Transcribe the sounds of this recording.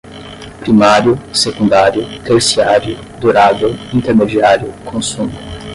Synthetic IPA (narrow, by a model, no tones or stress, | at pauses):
pɾimaɾjʊsekũnd̪aɾjʊt̪eɾsiaɾjʊ | d̪uɾavewĩnt̪eɾmed͡ʒiaɾjʊkʰõsũmʊ